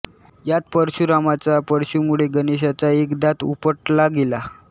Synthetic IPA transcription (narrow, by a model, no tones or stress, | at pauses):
jat̪̚pəɾɕuɾamat͡sapəɾɕumuɭeɡəneɕ̬at͡saekd̪at̪ṵpəʈlaɡela